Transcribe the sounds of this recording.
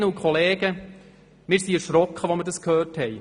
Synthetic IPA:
əukʰχɔleːɡə | mɪːɾsiɛɾʃɾɔkχəʋɔməɾdɑskhøːthɛj

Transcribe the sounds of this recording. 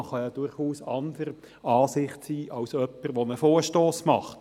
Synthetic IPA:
χɑjɑd̥ʊɾχuːsɑnd̪əɾ | ʔɑːsɪχtsiːʔɑwsœpːəɾʋonəfoːrʃtoːsmɑχt

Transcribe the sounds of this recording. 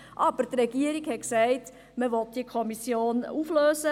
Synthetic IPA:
ʔɑb̥əɾtrɛɡiəɾikhɛt̚ksɛɪt | məʋɔt̚d̥iəkʰɔmisjoːnufløːsə

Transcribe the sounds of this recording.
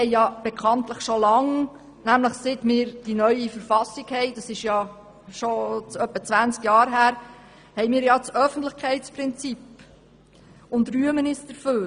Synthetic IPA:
hɛɪjɑb̥ɛkʰɑnt̪ləχʃolɑŋ | næmləχsɪt̪mɪːɾd̥inœʏifəɾfɑsiɡhɛɪdɑsɪʃjɑ | ʃot͡sœpːət͡sʋænt͡skjɑːɾɦæːɾ | hɛɪmɪːɾjɑt͡sœfən̩tləχkχɛɪtspɾɪnt͡sip | ʊndɾyəmənisd̥əɾføːɾ

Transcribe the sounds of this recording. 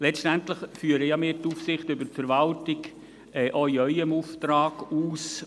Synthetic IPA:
lɛstænt̪ləχfyːəɾəjamɪːɾtufsɪχtʏbəɾtfəɾʋɑltɪɡ | ɛʔœiœʏəmuft̪ɾaːɡ̥uːs

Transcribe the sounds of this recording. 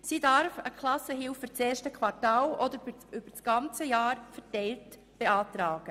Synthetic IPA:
sidɑɾfəkʰlɑsəɦɪlfyt͡sɛːʃtəkʰwɑtaːlɔdəɾʏb̥ət͡sɡ̥ɑnt͡səjaːɾfɛtɛɪlt | b̥eɑːtɾaːɡ̥ə

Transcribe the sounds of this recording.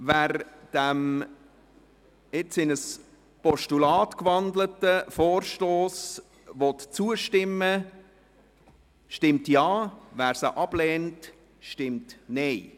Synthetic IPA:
væːɾd̥æm | ɪt͡sɪnəs | pɔʃtulɑːtkʋɑnd̪lətəfoːɾʃtoːs | ʋɔtt͡suəʃtɪmːə | ʃtɪmtjɑːʋæːɾsəʔɑb̥lɛːnt | ʃtɪmtnɛɪ

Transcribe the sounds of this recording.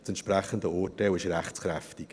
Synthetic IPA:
t͡sɛntʃprɛχəndəɔːtewɪʃrɛχt͡skrɛftik

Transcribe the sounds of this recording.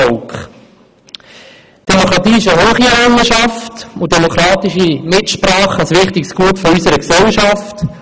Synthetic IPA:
ɔkχ | d̥ɛmokɾɑt̪iːɪʃəɦoːχiɛɾæŋəʃɑftʊdɛmokʰɾɑːt̪iʃimɪtʃpɾɑːχɑsʋɪχtɪksɡuətfɔysəɾəksɛlʃɑft

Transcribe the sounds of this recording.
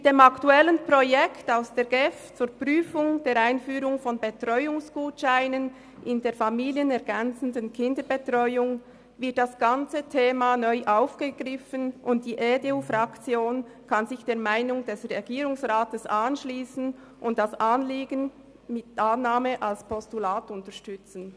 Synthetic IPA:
d̥eːmɑktuɛlənpʁɔjɛktaʊsd̥eːɾɡɛft͡suːɾpʁyːfʊŋd̥eːɾaɪnfyːɾʊŋfɔnbetʁɔʏʊŋsɡ̥uːtʃaɪnən | ʔɪndeːɾfɑmiːliənɛʁɡɛnt͡sən̩dənkʰɪndəbetʁɔʏʊŋ | vɪɐt̚d̥asɡ̥ɑnt͡sətʰeːmanœʏʔaʊfɡ̥əɡ̥ɾɪfənʔʊnt̚d̥iːʔedeuːfɾɑkt͡sjoːnkʰɑnzɪçd̥eːɐmaɪnʊŋdɛsʁɛɡ̥iːɾʊŋsʁaːtəsɑnʃliːsn̩ | ʔʊntd̥asʔɑnliːɡən | mɪtʔanːaːməʔalspʰɔstulaːtʊntəʃtʏt͡sn̩

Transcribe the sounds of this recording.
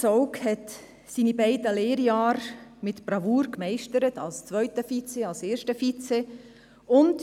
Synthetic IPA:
t͡sɔʊkhɛt | siːnibɛɪdəleːɾjɑːɾmɪtb̥ɾɑvuːɾkmɛɪʃtəɾətɑlst͡svœʏtəfit͡seɑlseːʃtəfit͡se | ʊnt

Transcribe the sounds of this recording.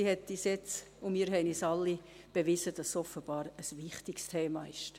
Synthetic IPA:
ihɛt̪ːisjɛt͡s | ʊmiːɾɦɛɪnisɑlːi | b̥eʋɪzəd̥ɑsːɔfəb̥ɑːɾəsʋɪχtikstʰeːmɑːɪʃt

